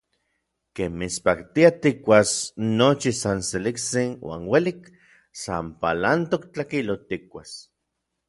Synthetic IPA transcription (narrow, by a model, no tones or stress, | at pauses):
kemmit͡spakt̪iat̪ikʷasnot͡ʃisanselikt͡sinwa̰ːnwelik | sampalant̪ok̚t͡ɬakilot̪ik̚ʷa̰s